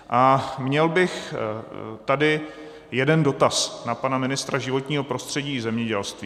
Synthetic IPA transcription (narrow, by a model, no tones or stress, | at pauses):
ʔamɲɛlbɪx | t̪adɪ | jɛdɛndo̞t̪asnapanamɪnɪst̪ɾaʒɪvo̞t̪ɲiːɦo̞pɾo̞st̪r̝̥ɛɟiːzɛmɲɛɟɛlst̪viː